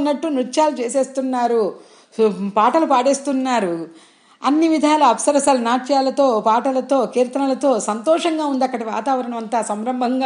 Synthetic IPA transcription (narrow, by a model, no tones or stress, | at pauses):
nːɐʈːunuʈːʃaːlut͡ʃeːseːst̪unːaːɾu | paːʈɐlupaːɽeːst̪unːaːɾu | ɐnːiʋid̪ʱaːluɐpsɐɾsɐlnaːʈt͡ʃjaːlɐt̪o̞ːpaːʈɐlɐt̪o̞ːkiːɾt̪ɐnɐlɐt̪o̞ːsɐnt̪ɔːʂɐŋɡaːund̪ɐkːɐɽiʋa̰ːt̪aːʋɐɾɐɳɐmɐnt̪ɐsɐmɾɐmbʱɐŋɡa